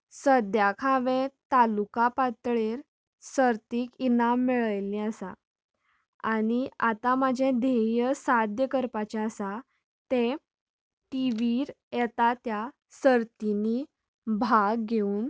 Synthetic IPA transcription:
səd̪jakʰaʋẽt̪alukapat̪ɭeɾ | səɾt̪iːkinamːiɭəjlĩəsa̰ | aɽ̃iat̪amad͡ʑʱẽd̪ʱejəsad̪jəkəɾpat͡ɕaəsa | t̪e | ʈiʋiɾ | jɛt̪at̪ja | səɾt̪ini | bʱaɡɡeuːn

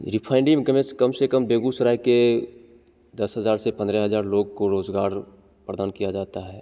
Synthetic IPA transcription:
ɾɪpʰaːɪ̃ɳɖɪmɡəmẽskɐmsekəmbeːɡusəɾaːike | d̪ɐsɦɐzaːɾsepɐ̃nd̪ɾɛɦɐzaːɾloːɡ̚koɾoːzɡaːɾ | pɾəd̪aːnkijad͡ʒaːt̪aɦɛː

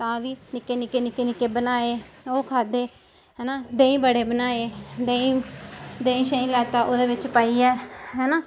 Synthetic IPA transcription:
t̪ãːʋiːnɪkːeːnɪkeːnɪkeːnɪkeːbənaːeːoːkʰaːd̪eː | ɦɛːnaːd̪eːĩːbəɽeːbənaːeːd̪eːĩːd̪eːĩːʃəĩːlaːt̪aːʔoːd̪eːʋɪt͡ʃpaːiːɛːɦɛːnaː

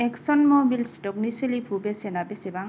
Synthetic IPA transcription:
ɛksɔnmɔmilstɔkniselipʰubesenabesebaŋ

